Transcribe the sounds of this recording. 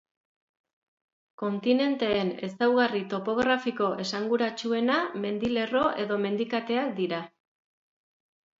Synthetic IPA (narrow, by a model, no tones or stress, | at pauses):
ko̞nt̪ine̞nt̪e̞ːne̞sawɣarit̪o̞po̞ɣ̞ɾafiko̞ʔe̞saŋɡuɾat͡ʃue̞name̞nd̪ile̞ro̞ʔe̞ðo̞me̞nd̪ikat̪e̞ak̚d̪iɾa